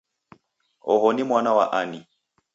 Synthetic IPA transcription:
ɔ̰ɦɔnimwanawa̰ʔani

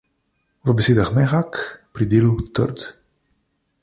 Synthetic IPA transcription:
vəbɛseːd̪axmɛxakpɾid̪eːlut̪ə̰ɾt̪

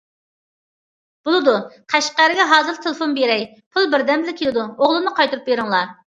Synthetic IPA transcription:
b̥ulˠɨd̪uqʰæʃqæɾɪɡʲɛɦɑːzɨɾt̪ʰelˠɨfonbeɾɛj | pʰʊlˠbɪɾd̪ɛmbɪlɪkʲʰelɪd̪uoʁlˠɨmnɨqʰɑjt̪uɾup̚beɾɪŋlˠɑ

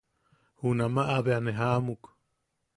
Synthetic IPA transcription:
hunamaʔaβeaneɦamuk

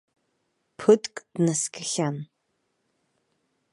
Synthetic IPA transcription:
pʰɨtʰʼkʼd̥naskʰɨχʲan

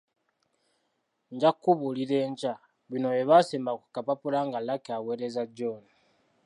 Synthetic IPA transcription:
ɲɟakːuβuliɾe̞ːɲt͡ʃa | βino̞eβaseːmbakukapapulaŋɡalːakaweːɾezaɟoːni

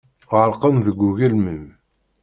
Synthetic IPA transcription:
ʁəɾqənðəɡʷːuɣəlməm

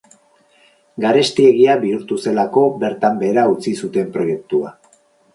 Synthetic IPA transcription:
ɡaɾe̞st̪ie̞ɣiaβiuɾt̪use̞lako̞be̞ɾt̪ambe̞ːɾaut͡sisut̪e̞mpɾo̞je̞k̚t̪ua

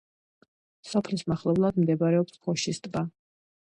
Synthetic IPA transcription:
sɔpʰlismaχlˠɛblˠad̪md̪ɛbaɾɛɔpspʰɔʃist̪ʼba

